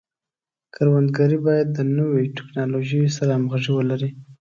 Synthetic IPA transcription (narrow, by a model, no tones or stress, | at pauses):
kʰaɾwand̪ɡaɾibɑjad̪ːənəweʈɪ̥knɑloʒəjosaɾamɣaʐiwəlaɾi